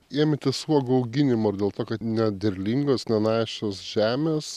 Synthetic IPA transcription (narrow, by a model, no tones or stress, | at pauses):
eːmʲɛt̪ʲɪsuɔɡoɐʊɡʲɪnʲɪmoːɾd̪ʲeːlˠt̪oːkɐt̪nʲɛd̪ʲɛɾʲlʲiŋɡosnʲɛnɑːʃʲosʒʲæːmʲeːs